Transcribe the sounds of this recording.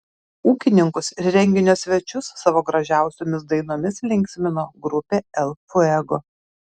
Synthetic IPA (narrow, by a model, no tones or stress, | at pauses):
uːkʲɪnʲɪŋkʊsɪɾɾʲɛŋʲɡʲɪnʲoːsʲʋʲɛt͡ʃʲʊsːɑʋoːɡɾɐʒʲæˑʊsʲoːmʲɪs̬d̪ɐɪnoːmʲɪslʲɪŋʲksʲmʲɪnoːɡɾʊpʲeːɛlˠfʊɛɡo